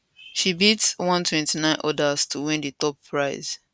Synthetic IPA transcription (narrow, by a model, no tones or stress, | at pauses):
ʃibitswɔ̃ntʰwɛ̃ntinãɪ̃nʔɔdastʰuwĩnditɔp̚pʰːɹaɪz̥